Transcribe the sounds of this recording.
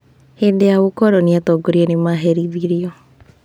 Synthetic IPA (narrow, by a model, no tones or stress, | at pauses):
hedejawokɔɾɔniatɔɡoɾiɛnemaɦeɾiðiɾiɔ